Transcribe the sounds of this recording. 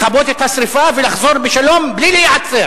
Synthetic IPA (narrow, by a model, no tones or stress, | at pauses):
χabot̪et̪hasɾifavelaχzoɾbeʃalo̞mblilejʕat͡seɾ